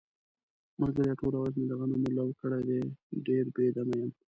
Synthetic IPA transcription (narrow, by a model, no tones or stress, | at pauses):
maɡaɾjaʈoɾawazned̪aɣanumelawkəɽed̪eɖeɾbed̪amajəm